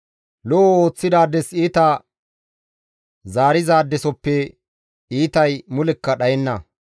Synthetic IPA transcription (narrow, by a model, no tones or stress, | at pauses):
lɔʔoːt͡sːɪd̪aːd̪ːɛsiːt̪ɐ | zaːɾɪzaːd̪ːɛsɔpːɛ | iːt̪ɐjmʊlɛkːɐɗɐjɛnːɐ